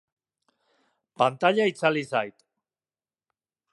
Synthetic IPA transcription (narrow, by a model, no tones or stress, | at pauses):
pant̪aʎait͡salisajt̪